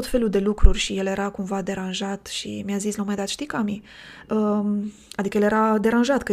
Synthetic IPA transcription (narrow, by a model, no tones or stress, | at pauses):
ot̪fe̞luld̪e̞lukɾurʲʃije̞lje̞ɾakumvad̪e̞ɾanʒat̪ʃḭmʲjazislomajd̪at̪ʃt̪ikami | ə | ad̪ikəjelje̞ɾad̪e̞ɾanʒat̪kə